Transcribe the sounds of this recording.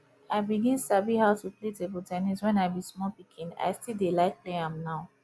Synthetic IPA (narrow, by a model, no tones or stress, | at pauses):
aɪbiɡĩnusabihaʊtupletebutɛniswɛ̃naɪbismɔpikʰĩna̰ɪstildelaɪk̚pleãmnaʊ